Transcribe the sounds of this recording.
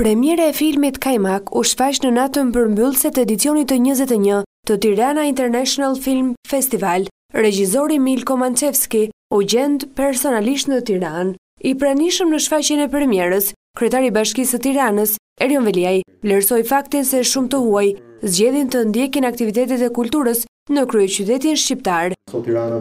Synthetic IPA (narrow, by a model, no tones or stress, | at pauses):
pɾɛmjɛɾaɛfilmit̪kajmakuʃfat͡ɕnənat̪əmpəɾmbylˠsɛt̪ɛd̪itt͡siɔnit̪ːəɲəzɛt̪ɛɲət̪ət̪iɾanaint̪ɛɾnɛʃɔnalˠfilmfɛst̪ival | ɾɛd͡ʑizɔɾimilkɔmant͡ʃɛfskiuɟɛnt̪pɛɾsɔnaliʃ̬t̪nət̪iɾan | ipɾaniʃəmnəʃfat͡ɕɛnɛpəɾmjɛɾəs | kɾyɛt̪aɾibaʃkisət̪iɾanəs | ɛɾiɔnvɛliajvlɛɾsɔjfak̚t̪insɛʃumt̪əhuajzd͡ʑɛðint̪ənd̪jɛkinak̚t̪ivit̪ɛt̪ɛt̪ɛkult̪uɾəs | nəkɾyɛt͡ɕyt̪ɛt̪inʃcip̚t̪aɾ